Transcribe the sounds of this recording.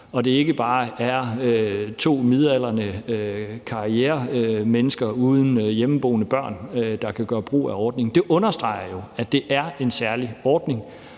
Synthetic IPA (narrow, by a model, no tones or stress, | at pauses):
ɒ̽d̥e̝e̝ɡ̥əb̥ɑ̈ːæɐøt͡sʰo̝̰ːmið̞ˠæl̰ɐnə | kʰɑ̈ieːɐmenəsɡ̥ɐuːð̞ˠn̩jemb̥o̝̰ːnəb̥ɶɐ̰nd̥ɑ̈kʰæɡ̥ɶːɐb̥ʁṵːæɒːd̥̚ne̝ŋn̩d̥e̝ʔɔ̽nɐsd̥ʁɑ̈ɪ̰ɐjo̝æd̥e̝ʔæɐe̝nsæɐliɒːd̥ne̝ŋ